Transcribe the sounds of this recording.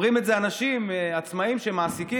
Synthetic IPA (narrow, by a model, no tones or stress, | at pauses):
ʁimeze̞anaʃimat͡smaimʃemaːsiki